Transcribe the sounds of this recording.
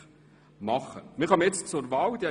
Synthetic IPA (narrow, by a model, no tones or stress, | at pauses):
mɑχə̰mɪʁhɑmjɛt͡st͡sʊɾvɑːld̪i